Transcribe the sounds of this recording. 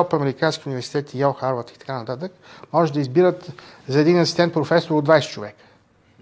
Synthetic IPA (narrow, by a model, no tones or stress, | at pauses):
ɔpɐmɛɾikanskiʊnivɛɾsi̥t̪ɛt̪ijawˠxaɾvət̪i̥t̪ɐ̥kanət̪at̪əkmɔʒɛd̪ɐizbiɾət̪zɐɛd̪inɐsi̥st̪ɛnt̪̚pɾofɛsoɾod̪vajsɛ̥t͡ʃovɛkə̥